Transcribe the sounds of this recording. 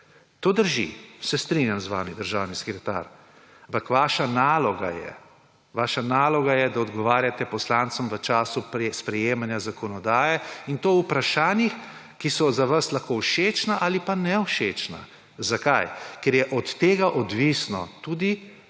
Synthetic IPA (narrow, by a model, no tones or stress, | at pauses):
t̪oːd̪əɾʒḭsɛst̪ɾinjamzʋa̰ːmid̪əɾʒaːwnisɛ̥kɾɛt̪a̰ɾ | ampakʋaːʃanaːlɔɡa̰jɛ̰ | ʋaːʃanaːlɔɡajɛd̪aɔd̪ɡɔʋaːɾjat̪ɛpɔslaːnt̪sɔmʋət͡ʃaːsupspɾɛjeːmanjazakʰɔnɔd̪aːjɛint̪oːupɾaʃaːnjix | kisɔzaʋaslaxkowʃeːt͡ʃnaʔalipanɛwʃet͡ʃna̰ | zakajkɛɾjɛʔɔt̪ːeːɡaʔɔd̪ʋisnɔ̰t̪uːd̪i